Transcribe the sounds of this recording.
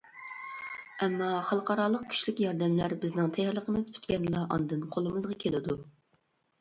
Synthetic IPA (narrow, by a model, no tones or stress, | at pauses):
ɛmːɑχɑlˠqɑɾɑlˠəq̚kʲʰy̥ʃlɪkʲjɑɾd̪ɛmlæɾbɪznɪŋt̪ʰɛjɛɾlˠəqʰəmɨz̥pʰy̥t̪kʲɛnlˠɑʔɑ̰nɨd̪ɨnqʰolˠɨmɨzʁɑkʲʰelɪd̪u